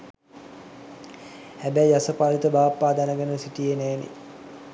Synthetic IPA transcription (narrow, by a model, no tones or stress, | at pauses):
hæbæjjasəpalit̪əbaːapːaːd̪anəɡenəsiʈijenæːnḛ